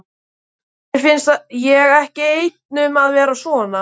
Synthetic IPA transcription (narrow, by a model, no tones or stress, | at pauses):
fɪnst̪jɛɣɛhcɪejt̪̚nʏmaðvɛːɾasvɔːna